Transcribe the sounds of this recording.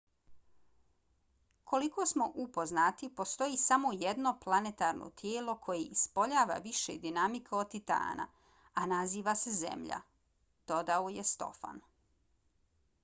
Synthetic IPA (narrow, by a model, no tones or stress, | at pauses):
kʰo̞likosmo̞ʔupo̞znat̪ipo̞st̪o̞jiːsamo̞jed̪no̞plˠanet̪aːɾno̰t̪ʰjeːlo̞kʰo̞jeispo̞ʎaːʋa̰ʋiʃed̪inamikʰeod̪̚t̪it̪a̰ːna̰ | anaziːʋasezḛmʎa̰ | d̪̥o̞d̪aojest̪o̞̰fa̰n